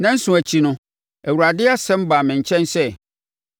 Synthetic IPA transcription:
nã˦n̩˦sʊ̃˨æ˨t͡ɕʰi˨nʊ̃˦ | æ˨wu˨ɾa˨dɪ˦a˦sɛ̃˦m̩˦ba˨mɪ̃˨ɲ̩˨t͡ɕʰɛ̃˦nsɛ˦

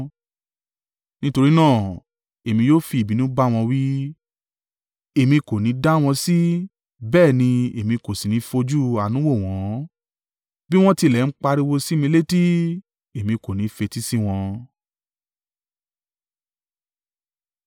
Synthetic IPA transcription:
nĩ˦to˧ɾi˦nãː˦˨ | e˨mĩ˧joː˦fi˧˨bi˨nũ˦ba˦w̃ɔ̃˧wi˦ | e˨mĩ˧ko˨nĩ˨˦da˦w̃ɔ̃˧si˦ | bɛː˦˨nĩ˧e˨mĩ˧ko˨si˨nĩ˨˦fo˧d͡ʒu˦a˨nũ˨˦wo˦˨w̃ɔ̃˨˦ | bi˦w̃ɔ̃˦ti˧˨lɛ˨n̩˦k͡pa˧ɾi˦wo˧si˦mĩ˧le˦ti˦ | e˨mĩ˧ko˨nĩ˨˦fe˧ti˦si˦w̃ɔ̃˧

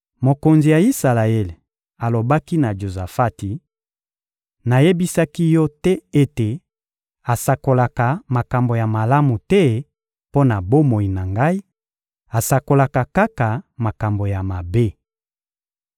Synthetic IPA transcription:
mo˨ko˨nzi˨ja˨i˦sa˨la˨ɛ˦l | a˨lo˨ba˦ki˦na˨d͡ʒo˨za˨fa˦ti˨ | na˨je˦bi˦sa˦ki˦jɔ˦tɛ˦e˦te˨ | a˨sa˨ko˨la˨ka˨ma˨ka˨mbo˨ja˨ma˨la˦mu˨tɛ˦ | po˦na˨bo˦mo˨i˨na˨ŋɡa˦i˦ | a˨sa˨ko˨la˨ka˨ka˦ka˨ma˨ka˨mbo˨ja˨ma˨be˦

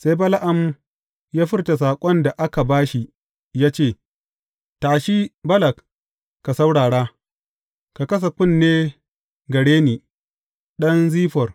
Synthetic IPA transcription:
se˦jbɐ˦la˦ʔa˨m | jaː˦ɸɪ˦rta˨s̬aː˨kʷʼɔ˦nda˨ʔa˦ka˨baː˦ʃi˨ | jaː˦t͡ʃeː˦˨ | taː˨ʃi˦bɐ˦lɐ˨k | kːa˨sa˦wɽaː˨ɽaː˦ | ka˨kɐ˦s̬a˨kʷʊ˦˨nːeː˦ | ɡɐ˨ɽeː˦niː˨ | ɗɐ˦nziː˦ɸɔ˨r

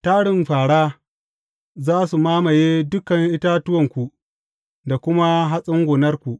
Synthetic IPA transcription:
taː˦ɽɪ˨mɸaː˨ɽaː˦ | zaː˦su˨maː˦ma˨jeː˦dʊ˦kɐ˨ŋʔɪ˦ta˦tʊ˦wɐ˨ŋkʷu˨ | da˨kʷʊ˦ma˦ɦa˦sʼʊ˦ŋɡʷoː˨nɐ˦rkʷu˨ʔ

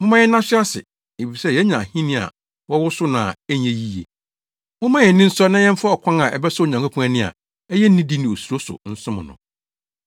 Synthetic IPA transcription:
mʊ̃˦mã˦jɛ˦n˦ã˦sɪ˦a˦sɪ̰˨ | e˨fi˨sɛ˦jɛ˦ɲã˨hĩ˦nɪ̃˦a̰˨ | wɔ˦wʊ˦sʊ˦nã̰˨ɛ˦ɲ˨ɛ̃˨ji˦je˨ | mʊ̃˦mã˦jɛ̃˨nː˦ɪ̃˦n̩˦sɔ˦nã˦jɛ̃˦m̩˦fa˦ɔ˨kʷʰã˦ŋa˨ʔɛ̰˨bɛ˦sɔ˦o˨ɲã˨ŋkʰa˦kʰũ˦æ˦nɪ̃˦˨a̰˨ | ɛ˦jɛ˦n̩ː˦ĩ˦di˦nɪ̃˨o˨su˨ɾo˦sʊ̰˨n̩˦sʊ̃˦mʊ̃˨nʊ̰̃˨

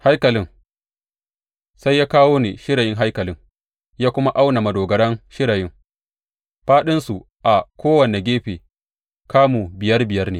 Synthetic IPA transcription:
ha˦jkɐ˨lɪ˦ŋ | sa˦jːaː˦kaː˦woː˦nḛ˨ʃɪ˦ɾa˨jɪ˦ŋɦa˦jkɐ˨lɪ˦ŋ | jaː˦kʷʊ˦ma˦ʔa˦wna˨mɐ˨doː˨ɡɐ˨ɽɐ˦ŋʃɪ˦ɽa˨jɪ˦ŋ | ɸaː˦ɗɪ˦nsu˨ | ʔa˨kʷoː˦wɐ˨ne˨ɡʲeː˦ɸeː˨ | kaː˦mu˨bɪ˨jɐ˦rbɪ˨jɐ˦rnḛː˨

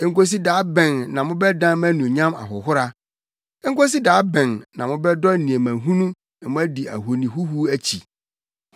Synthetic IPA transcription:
ŋ˦ko˦s̬i˦daː˨˦bɛ̃˨nnã˨mʊ̃˦bɛ˦dã˦mæ̃˦nũ˨ɲã˦ma̰˨ɦʊ˨ɦʊ˦ɾa˦ | ɛ˦ŋ˦ko˦s̬i˦daː˨˦bɛ̃˨nnã˨mʊ̃˦bɛ˦dɔ˦n̩˦nĩ˨e˨mæ̃˨ɦũ˦nũ˦ | ɛ˨mʊ̃˦æ˦di˨æ̰˨ɦo˨nĩ˨ɦu˦ɦu˦æ˦t͡ɕʰḭ˨

